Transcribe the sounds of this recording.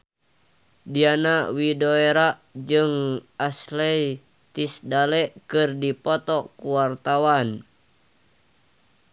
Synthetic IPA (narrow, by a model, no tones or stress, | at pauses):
dianawidoeɾaʔd͡ʒɨŋaslɛj | t̪isdalɛʔkɨrdipɔt̪ɔkuwart̪awan